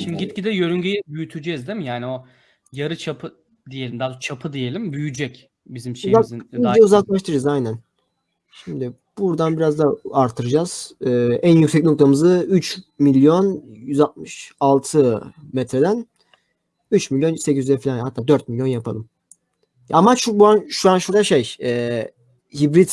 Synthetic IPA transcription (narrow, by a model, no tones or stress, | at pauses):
ʃimd̪iɟit̪̚cid̪ɛjøɾyɲɟyjɛbyjyt̪ʰyd͡ʒɛzd̪emijaːnio | jaɾɯt͡ʃʰapʰɯ | d̪ijelʲimd̪aːd̪ot͡ʃʰapʰɯd̪ije̞lʲimbyjyd͡ʒɛc | bizimʃezazinːd͡ʒɛuzaklˠaʃt̪ʰɯɾɯd͡ʒazajnæn | ʃimd̪ɪ | b̥uɾd̪anbiɾazd̪aaɾt̪ʰːɯɾɯd͡ʒaz̥ɯːænjycsɛc̬̚ʲnokt̪ʰamɯzɯyt͡ʃmilʲjo̞njyzat̪̚mɯʃalˠt̪ʰɯmɛt̪ʰɾed̪æn | yt͡ʃmilʲjo̞nsecizyɛfilʲanhat̪ʰːaːd̪øɾt̪̚milʲjo̞njapʰa̰lˠɯm | amaʃubuanʃuanʃuɾaʃejɛː | hibɾid̪